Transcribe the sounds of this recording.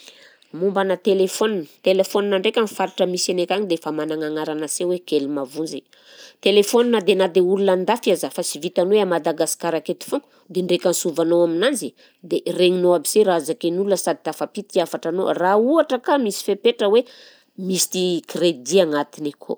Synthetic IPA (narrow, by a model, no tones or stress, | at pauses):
mumbanət̪elefoninət̪elefoninaɳɖ͡ʐekʲanifaɾiʈ͡ʂəmisanekʲaɲid̪efamanaŋaŋaɾanəsewekelimavund͡zḛ | t̪elefoninəd̪enad̪eulunand̪afazafasivit̪anoweamad̪aɡasi̥kaɾaket̪i̥fuŋku̥ | d̪eɳɖ͡ʐekʲansuvanowaminand͡zi | d̪ereɲinoabiz̥eɾazakenulunəsad̪i̥t̪afapit̪iafaʈ͡ʂano̰rauaʈ͡ʂəkamisi̥fepeʈ͡ʂəwe | mist̪ikred̪iaŋat̪inikʰo̰